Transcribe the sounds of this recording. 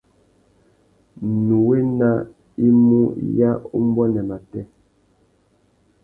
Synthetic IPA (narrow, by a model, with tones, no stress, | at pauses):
nu˨we˦na˦ | i˦mu˦ja˦u˦m˦bɔ˦nɛ˨ma˨tɛ˦